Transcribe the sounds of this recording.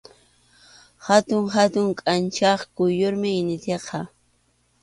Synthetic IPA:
hat̪ʊŋɦat̪ʊŋkʼant͡ʃɑχkʊjoɾmɪɪnɪt̪eqʰɑ

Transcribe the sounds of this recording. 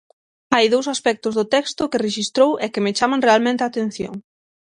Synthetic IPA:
ajðowsaspɛk̚t̪ʊzðʊt̪ɛkst̪ʊkɪreʃist̪ɾowʔɛkɪmɪt͡ʃamaŋrealmẽnt̪eat̪ẽn̟θjo̰ŋ

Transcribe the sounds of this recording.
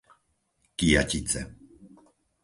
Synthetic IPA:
kija̰cit͡sɛ̰

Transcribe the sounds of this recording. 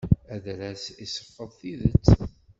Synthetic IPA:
æðɾæsisəɾfəðˤθiðət͡sː

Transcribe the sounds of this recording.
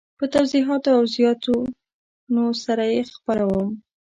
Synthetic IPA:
pət̪awziɦɑt̪oawzjɑt̪o | nosaɾajexpaɾawəm

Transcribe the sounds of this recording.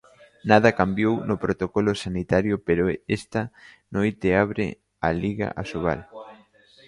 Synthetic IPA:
nað̞ɐkambjownopɾot̪okolosanit̪aɾjopeɾoest̪a | nojt̪eaβɾḛ | aliɣa̰ʔa̰soβa̰l

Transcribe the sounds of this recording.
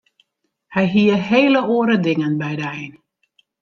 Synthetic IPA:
hɛjɦiəɦeːləoːəɾədɪŋənbɛjdəɛjn

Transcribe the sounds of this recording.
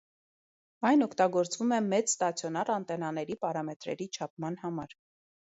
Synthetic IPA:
ɑjnɔkʰt̪ɑɡɔɾt͡svumɛmɛt͡sst̪ɑt͡sʰjɔnɑrɑnt̪ɛnɑnɛɾipɑɾɑmɛt̪ɾɛ̰ɾit͡ʃʰɑp̚ʰmɑnhɑmɑɾ

